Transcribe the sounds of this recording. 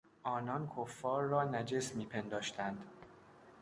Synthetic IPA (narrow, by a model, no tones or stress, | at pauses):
ʔɒːnɒnkʰofːɒːɾːɒːnæd͡ʒesmiːpʰe̞nd̪ɒːʃt̪ʰænd̪